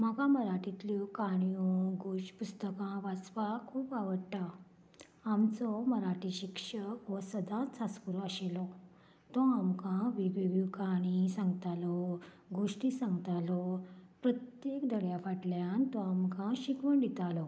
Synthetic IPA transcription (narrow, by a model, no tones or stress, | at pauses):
m̤akãməɾaʈit̪lukaɳ̃jũɡuʂpust̪əkãʋat͡sʋakʰuːpaʋəɽʈa | amt͡sɔməɾaʈiɕikʂəkʋəsəd̪ãt͡saskuɾuəɕelɔ | t̪ɔamkãʋiʋiʋjukaɽ̃isãŋɡt̪alɔ | ɡuʂʈisãŋɡt̪alɔpɾət̪jekd̪ʱəɽjafaʈljãnt̪ɔamkãɕikʋəɳɖ̪it̪alɔ